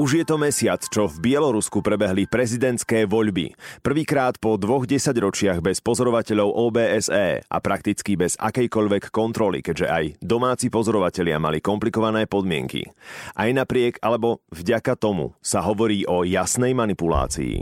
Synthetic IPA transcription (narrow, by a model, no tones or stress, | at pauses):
uʒjɛt̪ɔmɛsɪat͡st͡ʃɔvbɪɛlɔɾuskupɾɛbɛɦlipɾɛzid̪ɛnt̪skɛːʋɔʎbḭpr̩ʋiːkɾaːt̪pɔd̪ʋɔɣɟɛsaɟɾɔt͡ʃɪaɣbɛspɔzɔɾɔʋacɛʎɔʊʔɔːbɛːɛzɛ̰ːʔa̰pɾak̚t̪it͡skibɛz̥a̰kɛjkɔʎʋɛkːɔnt̪ɾɔlḭkɛɟʒɛ̰ʔajd̪ɔmaːt͡sipɔzɔɾɔʋacɛʎɪa̰ma̰likɔmplikɔʋanɛːpɔd̪mɪɛ̰ŋkḭʔajnapɾɪɛɡalɛbɔvɟakat̪ɔmṵsaɦɔʋɔɾiːʔɔjasnɛjmanipula̰ːt͡sḭḭ